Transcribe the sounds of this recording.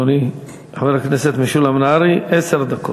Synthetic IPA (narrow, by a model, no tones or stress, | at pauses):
oni | aveɾakneset̪miʃulamnaɾiʔeseɾd̪ako